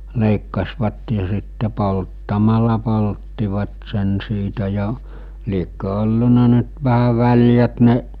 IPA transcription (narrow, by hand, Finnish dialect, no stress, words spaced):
leˑikːɑsʋɑt jɑ sitːe poltːɑmɑlɑ poltːiʋɑt sen siːtæ jɑ liekːø olːunɑ nyt ʋæhæ ʋælʲjæt ne